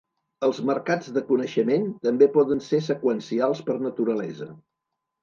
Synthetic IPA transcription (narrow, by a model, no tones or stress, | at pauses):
əlˠzməɾkad͡zðəkunəʃəment̪əmbepɔðənsesəkwənsialˠspəɾnət̪uɾəlɛzə